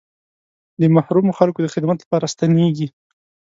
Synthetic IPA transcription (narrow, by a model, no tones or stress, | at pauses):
d̪əmahɾumoxalkod̪əxɪd̪mat̪lapɑɾast̪aneɡi